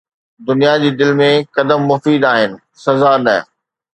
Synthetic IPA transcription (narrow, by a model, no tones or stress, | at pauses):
d̪ʊnijad͡ʑiːd̪ɪlmẽkɐd̪əmːʊfiːd̪aːɦɪnɪ̆ | sɐzanɐ